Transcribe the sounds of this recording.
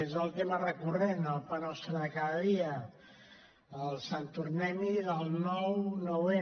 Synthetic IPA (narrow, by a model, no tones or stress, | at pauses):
ezəlˠt̪emərəkurenəlˠpənɔst̪ɾəkaðəðiə | lˠsant̪urnɛmiðəlˠnɔwnowe